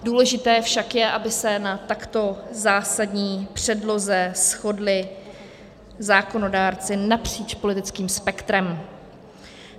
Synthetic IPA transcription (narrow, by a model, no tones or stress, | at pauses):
duːlɛʒɪt̪ɛːfʃakjɛʔabɪsɛnat̪akt̪o̞zaːsadɲiːpr̝̥ɛdlo̞zɛsxo̞dlɪ | zaːko̞no̞daːɾt͡sɪnapr̝̥iːt͡ʃpo̞lɪt̪ɪt͡skiːmspɛkt̪ɾɛm